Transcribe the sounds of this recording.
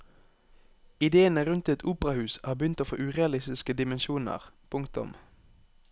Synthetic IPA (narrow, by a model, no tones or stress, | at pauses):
ɪd̪eːənəʁʉnt̪ɛt̪uːpəʁɑhʉːshɑːbəjʏnt̪oːfo̰ːʔʉːʁeɑlɪst̪ɪskəd̪ɪmɛnʃuːnə̰ʁpʰʊŋkt̪ʊ̰m